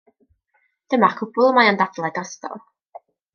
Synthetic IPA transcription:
d̥əmakʰʊbʊlˠəmajandadlˠaɡɔstɔ̰lˠ

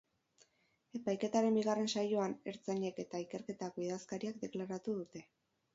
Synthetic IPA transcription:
e̞pajke̞t̪aɾe̞mbiɣ̞are̞nsajo̞ane̞ɾt͡saɲe̞ke̞t̪aike̞ɾke̞t̪ako̞iðaskaɾiak̚d̪e̞klaɾat̪uðut̪e̞

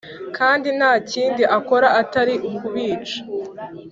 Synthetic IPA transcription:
kʰaːndin̥haːciːndiʔako̞ɾaʔːtaɾiʔukuβiːt͡ʃḁ

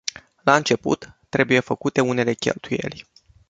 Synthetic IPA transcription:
laɨnt͡ʃe̞pṵt̪ːɾe̞buje̞fəkut̪e̞une̞le̞kʲe̞̰lt̪uje̞̰lʲ

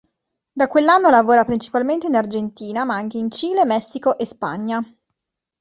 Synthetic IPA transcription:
d̪akwelːanːolavoːɾapɾint͡ʃi̥palment̪einard͡ʒent̪iːnamaaŋk̟eint͡ʃiːlemɛsːikoʔespa̰ɲːa

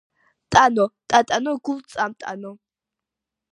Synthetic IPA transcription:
t̪ʼanɔt̪ʼat̪ʼanɔɡult͡sʼamt̪ʼa̰nɔ

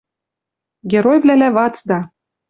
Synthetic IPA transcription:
ɡʲeɾojvlælævɑt͡sd̪ɑ

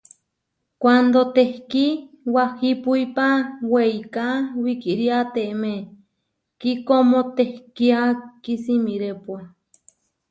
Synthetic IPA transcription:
kʷand̪ot̪ehki | wahipuipaweikawikiɾiat̪eme | kikomot̪ehkiakisimiɾepua

